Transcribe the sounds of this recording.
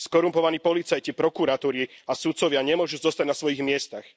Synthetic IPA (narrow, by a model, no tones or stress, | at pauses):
skɔɾumpɔʋaniːpɔlit͡sajcipɾɔkuɾat̪uːɾiasut̪sɔʋɪaɲɛmʊɔʒuːzɔst̪aɟnasʋɔjiɣmɪɛst̪ax